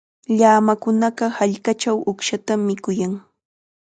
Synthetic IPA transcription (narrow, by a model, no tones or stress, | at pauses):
ʎaːmakʊnɑɢɑhaʎkat͡ʃawʊkʃat̪amːɪkʊjaŋ